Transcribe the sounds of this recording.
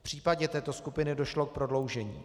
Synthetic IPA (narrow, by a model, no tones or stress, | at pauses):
pr̝̥iːpaɟɛt̪ɛːt̪oskupɪnɪdo̞ʃlo̞k̚pɾodlo̞wʒɛɲḭː